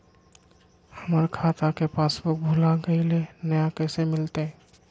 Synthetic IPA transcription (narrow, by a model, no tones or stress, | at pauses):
həməɾkʰat̪akepasbobʱulaɡəilenəjakəsemɪlt̪e